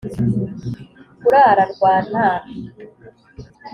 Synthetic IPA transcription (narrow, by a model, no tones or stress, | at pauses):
kuɾaːɾaɾɡwaːnaːɾa